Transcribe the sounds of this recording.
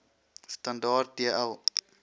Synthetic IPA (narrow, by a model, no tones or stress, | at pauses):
stɐndɑːrt̚diəʔɐlˠ